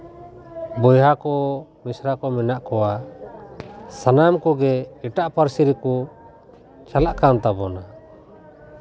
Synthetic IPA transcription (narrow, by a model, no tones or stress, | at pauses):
bɔjɦakɔmisɾakɔmɛnaʔkɔwa | sanamkɔɡɛɛʈaʔpaɾsiɾɛku | t͡ʃalaʔkant̪abɔna